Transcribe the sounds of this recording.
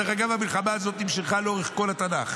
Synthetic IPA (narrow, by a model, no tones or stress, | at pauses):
eχaɡavamilχamaːzo̞t̪nimʃeχχaleo̞eχko̞lat̪anaχ